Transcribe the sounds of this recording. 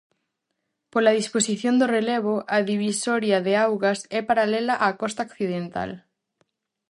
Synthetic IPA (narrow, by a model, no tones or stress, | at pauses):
polað̞isposiθjõnd̪oreleβ̞oʔaðiβ̞isoɾjaðeawɣasɛpaɾalelaʔakɔst̪aokθiðent̪a̰l